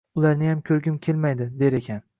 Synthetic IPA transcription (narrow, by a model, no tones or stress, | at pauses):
ʊlaɾnɪjamkʲʰɵɾɡʲɪmkʲʰe̞lmajd̪ɪd̪e̞ɾe̞kʲʰan